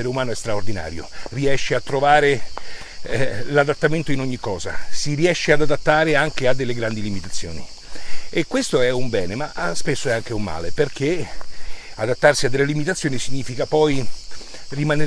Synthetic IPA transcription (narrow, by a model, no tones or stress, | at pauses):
eɾeumaːnoɛst̪ɾaord̪ina̰ːɾjo̰riɛʃːeat̪ːɾovaːɾe | lad̪at̪ːament̪oinoɲːikːɔːza̰siɾiɛʃːead̪ad̪at̪ːaːɾeaŋk̟ead̪ːelːeɡɾand̪ilimit̪at̪sːjo̰ːni | ekːwest̪oɛumbɛːnemaspesːoɛaŋkeumːa̰ːleperk̟e | ad̪at̪ːarsiad̪ːelːelimit̪at̪sːjoːnisiɲːiːfikapɔj | rimane